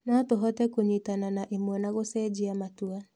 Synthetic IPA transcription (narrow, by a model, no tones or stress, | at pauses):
nɔtoɦɔtɛkoɲitananaʔemwɔnaɣosɛd͡ʒiamatua